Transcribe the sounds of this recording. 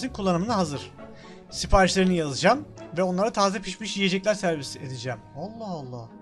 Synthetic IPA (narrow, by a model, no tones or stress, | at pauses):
zinkʰulˠːanɯmɯnaɦazɯɾ̥ | sipʰaːɾiʃlʲe̞ɾinijazɯd͡ʒamvɛo̞nlˠaɾat̪ʰaːzɛpʰiʃmiʃjije̞d͡ʒɛclʲæɾsæɾbised̪id͡ʒæmalˠːahalˠːah